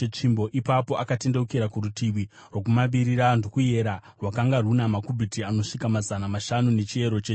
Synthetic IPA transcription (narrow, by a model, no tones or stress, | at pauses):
t͡ʂimbo̞ʔipapo̞ʔakate̞ndeukeɾakuɾutiʋi | rwokumaʋiɾiɾandokuje̞ɾarwakaŋɡarunamakubʱitiano̞ʂikamazanamaʃanune̞t͡ʃie̞ɾo̞t͡ʃe